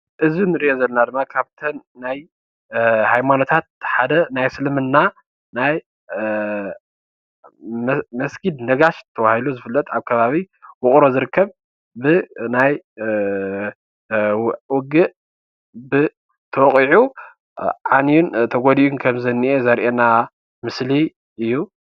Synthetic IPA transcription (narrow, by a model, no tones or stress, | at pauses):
ʔɨzinɨɾiʔozɐlnad̪ɨmːakʰaβt̪ʰɐnːaj | hajmano̞t̪ʰat̪̚ħad̪ɐnajsɨlɨmɨnːa | naj | mɐsɡʰid̪nɐɡaʃt̪ʰɐβahiluzɨfɨlːɐt̪ʼaβkʰɐβaβi | wʊχʼɾo̞zɨɾɨkːɐβ | bɨnaj | wɔɡɨʔ | bɨ | t̪ʰɐwχʼiʕu | ʕanijunt̪ʰɐɡod̪iunkʰɐmzɨnːiʔezɐɾʔena | mɨsli | ʔɨjːu